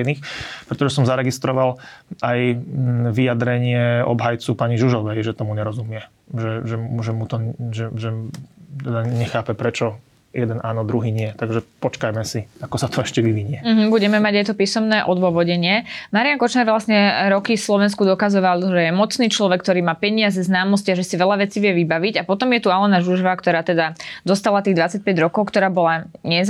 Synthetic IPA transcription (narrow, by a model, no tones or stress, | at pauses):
niːxpɾɛt̪ɔʒɛsɔmzaɾɛɡist̪ɾɔʋalajʋijad̪ɾɛɲɪɛɔ̰bɦajt͡supaɲiʒuʒɔʋɛjʒɛt̪ɔmuɲɛɾɔzumɪɛ | ʒɛʒɛʒɛmut̪ɔʒɛʒɛt̪ɛd̪aɲɛxaːpɛpɾɛt͡ʃɔ | jɛd̪ɛnaːnɔd̪ɾuɦiːɲɪɛt̪aɡʒɛpɔt͡ʃkajmɛsiakɔsat̪ʰɔɛʃcɛʋiʋiɲɪɛm̩ɦm̩buɟɛmɛmaɟajt̪ɔpiːsɔmnɛːʔɔd̪ʋʊɔʋɔɟɛɲɪɛmaɾijankɔt͡ʃɲaɾʋlasɲɛɾɔkifslɔʋɛnskud̪ɔkazɔʋalʒɛjɛmɔt͡sniːt͡ʃlɔʋɛkt̪ɔɾiːmaːpɛɲɪazɛznaːmnɔsciaʒɛsiʋɛʎaʋɛt͡siʋɪjɛʋibaʋiɟapɔt̪ɔmjɛt̪ualɛnaʒuʒɔʋakt̪ɔɾaːt̪ɛd̪ad̪ɔst̪alat̪iːɣd̪ʋat͡sac̚pɛɟɾɔkɔʊkt̪ɔɾaːbɔlaɲɛ